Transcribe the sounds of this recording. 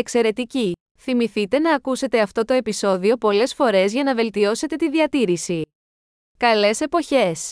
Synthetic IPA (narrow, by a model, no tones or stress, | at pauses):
ekse̞ɾe̞t̪ici | θimiθit̪e̞nɐːkuse̞t̪e̞ɐft̪o̞t̪o̞e̞piso̞ðio̞po̞le̞sfo̞ɾe̞zʝɐnɐve̞lt̪io̞se̞t̪e̞t̪iðiɐt̪iɾisi | kɐle̞se̞po̞çe̞s